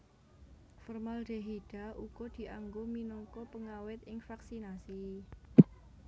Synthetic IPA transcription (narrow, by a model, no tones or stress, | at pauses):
fɔrmalɖ̪̥e̤ɦiɖ̥a̤ʔuɡ̥od̪̥i̤ʔaŋɡominɔŋkɔpəŋawɪt̪̚ɪŋfaksinasi